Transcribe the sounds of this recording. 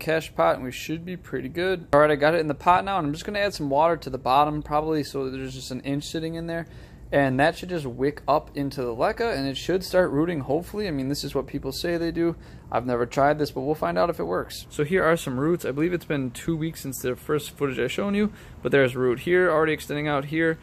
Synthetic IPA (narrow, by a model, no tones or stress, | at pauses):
kʰæʃpʰɑɾɨ̰̃nwiʃɨd̚bipʰɹ̥ɪɾiɡʊd̚l̩ˠɹɛɾiaɪɡɑɾɨɾn̩ðəpʰɑtⁿnaʊə̃nãɪ̃md͡ʒʌsɡ̥ʌñɨæd̥sʌ̃mwɔɾə˞ɾɨðəbɑɾə̃mpʰɹ̥ɑbəblisoʊðə˞zd͡ʒʌstn̩ɪ̃nt͡ʃsɪɾɪ̃ŋɨ̃nðə˞ | ɨ̃nðɨtʃɨd̚d͡ʒʌs̬t̚wɪkʰʌpʰɪ̃ntʰʉðəlɛkəɨ̃nɨtʃɨd̥stɑɹt̚ɹuɾɪ̃ŋhoʊpfl̩ˠiaɪmĩnðɪsɨzwʌt̚pʰipl̩ˠseɪðeɪdu | ʔaɪvnɛvə˞tʰɹ̥aɪd̪̚ðɪsb̥ʌt̚wilˠfãɪ̃ndaʊɾɨfɨt̚wɜ˞kssoʊɦiɹə˞sʌ̃mɹutsaɪbəlivɨtsb̥ɨ̃ntʰuwiksɪ̃nsðɨfɜ˞stfʊɾɨd͡ʒaɪʃõʊ̃njʉ | b̥ʌt̪̚ðə˞ɨzɹut̚hiɹl̩ˠɹɛɾiɨkstɛ̃ndɪ̃ŋaʊt̚ɦiɹ